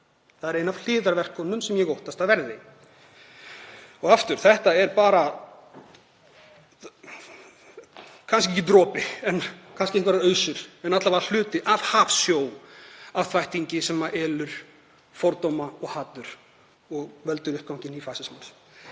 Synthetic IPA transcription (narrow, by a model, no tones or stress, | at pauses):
θaðɛɾejnav̥l̥ɪːðaɾvɛr̥kɔnːʏmsɛmjɛɣowht̪ast̪aðvɛɾðɪ | ɔɣaft̪ʏɾ̥θɛht̪aɛɾpaːɾa | kʰans̬cɛhcːɪt̪ɾɔːpɪɛnkʰanscɪɛht̪vaɾaœːɥsʏɾ̥ɛnat̪lavaɾal̥ʏːt̪ɪʔavhaːfsjoːwavθvajht̪iɲcɪsɛmaʔɛːlʏɾ̥ | fɔɾt̪owmaɔɣhaːt̪ʏɾ̥ | ɔɣvɛlt̪ʏɾʏhpkawŋ̥ɲcɪnifaːsɪsmans